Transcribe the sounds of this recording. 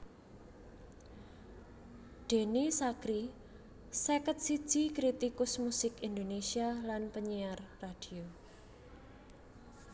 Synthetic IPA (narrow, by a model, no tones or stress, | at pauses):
d̪̥e̤nisakɾi | sekət̪̚si̥ʒ̥ikɾit̪ikʊsmusɪkind̪onesialanpəɲiarːad̥io